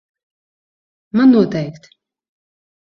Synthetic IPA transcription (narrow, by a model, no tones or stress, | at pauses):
manːuɔt̪ɛjkt̪